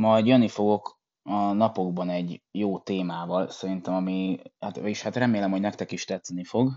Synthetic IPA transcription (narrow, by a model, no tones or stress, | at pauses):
mɒjd̪jønːifo̞ɡo̞k | ɒnɒpo̞ɡbɒnɛɟjoːt̪eːmaːvɒlsɛɾint̪ɛmɒmihat̪eʃhat̪rɛmeːlɛmho̞ɟnɛkt̪ɛkiʃt̪ɛt̪snifo̞ɡ